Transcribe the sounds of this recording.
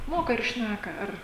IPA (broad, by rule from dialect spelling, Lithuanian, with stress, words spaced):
ˈmoːkɐ ɪr ˈʃʲnʲækɐ ˈɐr